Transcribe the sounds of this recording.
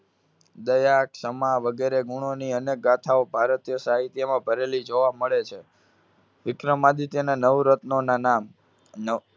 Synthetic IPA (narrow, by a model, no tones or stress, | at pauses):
d̪əjaksəmaʋəɡeɾeɡuɽ̃oniənek̚ɡat̪ʰaobʱaɾət̪jəsaɦit̪jəmãbʱəɾelid͡ʒoʋaməɭet͡ʃʰe | ʋɪkɾəmad̪it̪jənanəʋɾət̪nonanam | n